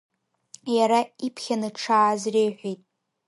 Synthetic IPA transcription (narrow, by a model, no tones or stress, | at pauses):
jaɾaipʰχʲanɨʈ͡ʂʰaːzrejħʷejtʼ